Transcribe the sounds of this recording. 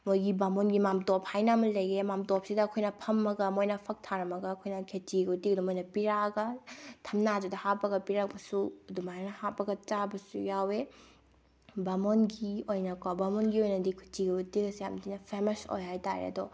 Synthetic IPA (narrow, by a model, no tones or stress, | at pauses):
mojɡibamonɡimamtophajnɐmɐlɐjemamtop̚sidɐːkʰojnɐpʰɐmːɐɡɐmojnɐpʰɐk̚tʰaɾɐmɐɡɐːkʰojnɐkʰet͡ʃiɡɐtik̚dumojnɐpiɾaɡɐtʰɐmnad͡ʒudɐhapːɐɡɐpiɾak̚bɐsudumajnnɐhapːɐɡɐt͡ʃabɐsṵjawe | bamonɡiojnɐkawbamonɡiojnɐdikʰu̥tiɡɐutiɡɐsjamdinɐpʰemɐso̰jɦajtaɾḛɐ̰dɔ